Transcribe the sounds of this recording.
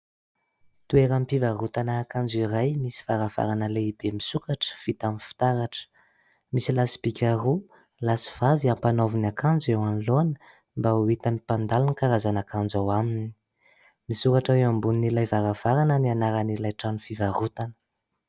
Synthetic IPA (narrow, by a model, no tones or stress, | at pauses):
t̪ueɾəmpivaɾut̪anaːkand͡ziɾajmisi̥vaɾav̥a̰ɾanəleib̥emisukaʈ͡ʂə̥v̥it̪amifi̥t̪aɾaʈ͡ʂə̥ | misilasi̥b̥ikʲaru | lasi̥v̥aviampanovinakand͡zewanloanə̥ | mbauit̪anipand̪alunikaɾazanakand͡zawaminii̥ | misukaʈ͡ʂaewambuninilajvaɾav̥aɾanənianaɾanilajʈ͡ʂanufivarut̪anə̥